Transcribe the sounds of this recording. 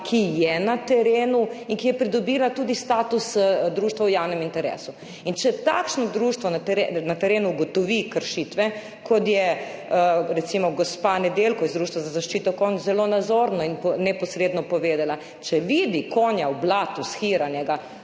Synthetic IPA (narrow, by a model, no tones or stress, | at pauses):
kʰijɛnat̪ɛɾeːnuinkijɛpɾid̪ɔbiːlat̪uːd̪ist̪aːt̪usd̪ɾuːʃt̪ʋawjawnɛmint̪ɛɾḛːsu | int͡ʃɛt̪a̰kʃnɔd̪ɾuʃt̪ʋɔnat̪ɾenat̪ɛɾeːnuːɡɔt̪ɔʋikəɾʃit̪ʋɛ | kɔt̪jɛ | əɾɛt̪simɔɡɔspanɛd̪elkɔjɛzd̪ɾuːʃt̪ʋazazaʃt͡ʃiːt̪ɔkonzɛlonazoːɾnɔinpnɛpɔsɾeːd̪nɔpɔʋeːd̪ala | t͡ʃɛʋiːd̪ikʰoːnjawblaːt̪usxiːɾanjɛɡa